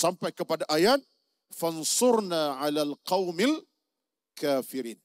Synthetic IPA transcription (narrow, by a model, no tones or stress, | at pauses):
sampajkəpadaʔajaːt̪̚ | fansʊɾnaːʕalaːlqɑwmal | kaːfɪɾiːn